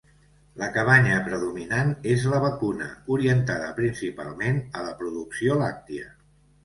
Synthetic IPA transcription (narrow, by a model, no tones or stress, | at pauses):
ləkəβ̞aɲəpɾəðuminanezləβəkunə̰uɾiənt̪aðəpɾinsipa̰lˠmenələpɾuðuksiolak̚t̪iə